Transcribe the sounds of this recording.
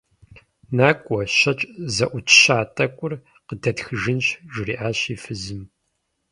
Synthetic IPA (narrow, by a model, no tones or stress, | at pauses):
naːkʷʼɔɕɐt͡ʃʼzɐʔʷʊtʰɕaːtʼɐkʷʼʊr | qədɐtxɨʒɪnɕʒʷʊrḭːʔaːɕiːfɨzɨm